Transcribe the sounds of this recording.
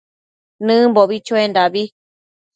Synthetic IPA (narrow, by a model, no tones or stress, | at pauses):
nɨ̃mboβit͡ʃuend̪aβi